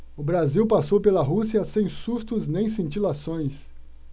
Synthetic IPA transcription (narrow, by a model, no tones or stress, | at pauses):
ʊbɾaziwpasowpelɐɦusiɐsẽj̃sust̪ʊznẽj̃sĩnt͡ʃilasõj̃s